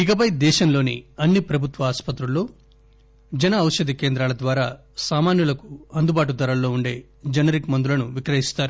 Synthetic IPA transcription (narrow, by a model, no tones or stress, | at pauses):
ikɐp̬ɐjd̪ɛːʃɐmlo̞ːnḭɐnːipɾɐbʱut̪ʋɐaːspɐt̪ɾulːoː | d͡ʒɐnɐːwʃɐd̪ike̞ːnd̪ɾaːlɐd̪ʋaːɾa̰ː | saːmaːnjulɐkuɐnd̪ubaːʈ̬ud̪ɐɾɐllːo̞ːuɳɖe̞ː | d͡ʒɐnɐɾikmɐnd̪ulɐnuʋikɾɐɦist̪aːɾu